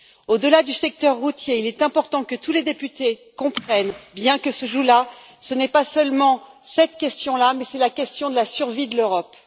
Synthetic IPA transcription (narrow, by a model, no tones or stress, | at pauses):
od̪əlad̪ysɛk̚t̪œʁːut̪jeilɛt̪ɛ̃pɔʁt̪ɑ̃kət̪uled̪epyt̪ekɔ̃pχɛnbjɛ̃kəsəʒula | sənɛpasœlmɑ̃sɛt̪kʲɛst̪jɔ̃lamɛsɛlakʲɛst̪jɔ̃d̪əlasyʁvid̪əløʁɔp